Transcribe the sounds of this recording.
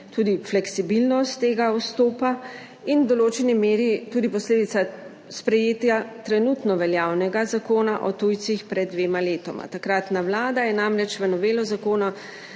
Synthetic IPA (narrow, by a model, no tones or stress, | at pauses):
t̪uːd̪iflɛksibilnɔst̪ːeːɡaɔst̪oːpa | ind̪ɔloːt͡ʃɛnimeːɾit̪uːd̪ipɔsleːd̪it̪sa | spɾɛjeːt̪jat̪ɾɛnut̪nɔʋɛljaːwnɛɡazakoːnaʔɔt̪ujt̪sixpɾɛd̪̚ːʋeːmaleːt̪ɔma̰t̪akɾat̪nawlaːd̪ajɛnamɾɛt͡ʃʋənɔʋeːlɔzakoːnɔ